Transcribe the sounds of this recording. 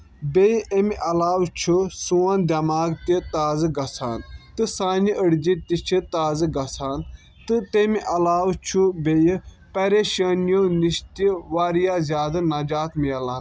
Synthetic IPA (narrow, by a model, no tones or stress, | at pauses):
bejʔemʔɐlaːwt͡ʃʰusuːand̪ɐmaːɡt̪it̪aːzɨɡɐsʰaːnt̪ɨsaːniʔəɽd͡ʒit̪it͡ʃʰit̪aːzɨɡɐsʰaːn | t̪ɨt̪emiʔɐlaːwt͡ʃʰubej | pɐɾeːʃɐːnijoːniʃt̪iʋaːɾijazʲjaːd̪ɐnɐd͡ʒaːt̪mijɐlaːn